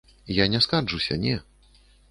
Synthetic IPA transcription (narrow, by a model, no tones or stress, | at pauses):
janʲɛskaʐusʲɐ̰nʲɛ